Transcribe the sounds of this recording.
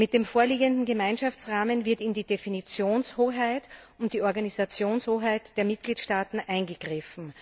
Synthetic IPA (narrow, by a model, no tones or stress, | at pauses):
mɪt̚d̥eːmfoːɐliːɡəndn̩ɡəmaɪnʃaft͡sʁaːmənvɪɐtɪndiːd̥efinit͡sjoːnshoːɦaɪt | ʊnt̚d̥iːɔɐɡanizat͡sjoːnshoːɦaɪtd̥eːɐmɪt̚ɡ̥liːtʃtaːtn̩ʔaɪnɡəɡ̥ʁɪfn̩